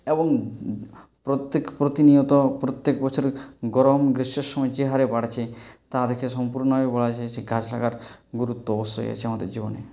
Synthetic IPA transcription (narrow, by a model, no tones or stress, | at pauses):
eboŋ | pɾot̪ːekpɾot̪inijot̪opɾot̪ːekbɔt͡ɕʰoɾɡɔɾomɡɾiʃeɾʃɔmɔet͡ɕeɦaɾepaɽt͡ɕʰet̪ad̪ekʰeʃɔmpuɾnɔɦebɔlat͡ɕʰeʃeɡʱad͡ʑlaɡaɾɡuɾut̪ːoɔbost̪oḛa̰t͡ɕʰeamad̪ḛɾd͡ʑibo̰nḛ